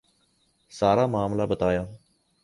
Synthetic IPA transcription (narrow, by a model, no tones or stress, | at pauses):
saːɾaːmaːmlaːbət̪aːjaː